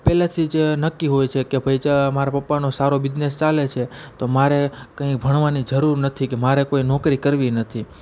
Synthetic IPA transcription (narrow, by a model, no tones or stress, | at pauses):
pɛlat̪ʰid͡ʒenəkːiɦojt͡ʃʰekebʱəjt͡ʃamaɾapəpːanosaɾobɪd͡ʒnest͡ʃalet͡ʃʰet̪omaɾekə̃ĩk̚bʱəɳʋanid͡ʒəɾuɾnət̪ʰikemaɾekoinɔkɾikəɾʋinət̪ʰi